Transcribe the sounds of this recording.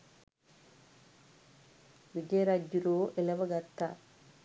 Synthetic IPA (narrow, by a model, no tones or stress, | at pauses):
ʋid͡ʒɐjɐɾaːd͡ʒjuɾoːʔelɐʋɐɡɐt̪ːa̰ː